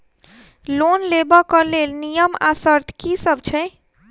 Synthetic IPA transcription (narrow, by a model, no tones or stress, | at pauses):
lonlebɔkəlelnijəma̰səɾt̪ʰkisəb̚t͡ʃʰɛ